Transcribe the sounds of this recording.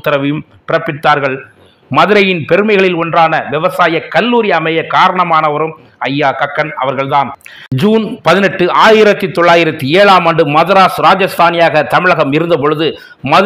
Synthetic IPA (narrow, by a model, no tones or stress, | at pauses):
t̪ːɐɾɐʋɪjɯm | pɪɾɐpːɪt̪ːaːɾɣɐɭ | mɐðɯɾɐjɪnpɛɾɯmɐɪɣɐɭɪlɔndraːnɐʋɪʋɐsaːjɐkɐlːuːɾɪjɐːmɐjɐkaːɾɐɳɐmaːnɐʋɐɾɯm | ɐjːaːkɐkːɐnɐʋɐɾɣɐɭðaːn | d͡ʒuːnpɐðɪnɛʈːɯʔaːjɪɾɐt̪ːɯt̪ːɔɭːaːjɪɾɐt̪ːɯeːɭaːmɐɳɖɯmɐðɐɾaːsɾaːd͡ʒɐst̪ʰaːnɪjaːɣɐt̪ɐmɪɻɐɣɐmɪɾɯnd̪ɐpɔɻɯðɯ | mɐ